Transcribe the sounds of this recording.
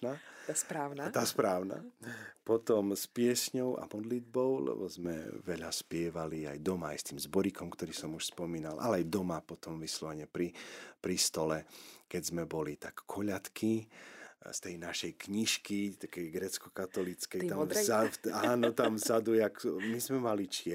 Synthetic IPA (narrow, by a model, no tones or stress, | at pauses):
apɾaːnt̪aspɾaːʊna̰pɔt̪ɔmspɪɛsɲɔʊa̰mɔd̪lid̪bɔʊlɛ̰bɔ̰zmɛ̰ʋɛʎaspɪɛʋalia̰jd̪ɔma̰ːjst̪iːmzbɔɾikɔmkt̪ɔɾiːsɔmuʃspɔmiːnalʔa̰lɛajd̪ɔmapɔt̪ɔmʋislɔʋɛɲɛpɾipɾist̪ɔlɛkɛzmɛbɔlit̪akːʰɔʎat̪kʰi | st̪ɛjnaʃɛjkɲiʃkit̪akɛjɡɾɛt͡skɔkat̪ɔlit͡skɛjt̪amzaaːnɔt̪amzad̪ujakmizmɛmalit͡ʃɪɛ